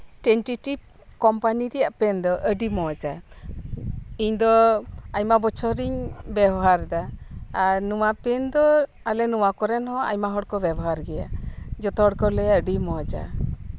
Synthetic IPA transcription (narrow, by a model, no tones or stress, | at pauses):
ʈɛnʈiʈip̚ | kɔmpaniɾɛjaʔpɛnd̪ɔʔəɖimɔd͡ʒa | iɲd̪ɔajmabɔt͡ʃʰɔɾiɲbɛbɔɦaɾd̪aː | ɾnuwapɛnd̪ɔ | alɛnuwakɔɾɛnhɔ̃a̰jmaɦɔɽkɔbɛbɔɦaɾɡɛja̰d͡ʒɔt̪ɔɦɔɽkɔlɛaəɖimɔd͡ʒa̰